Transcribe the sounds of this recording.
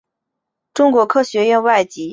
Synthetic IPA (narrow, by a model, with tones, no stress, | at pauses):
ʈ͡ʂʊ˥ŋkwɔ˧˥kʰɤ˥ɕɥɛ˧˥jɛ˥˧nwa˥˩ɪt͡ɕi˧˥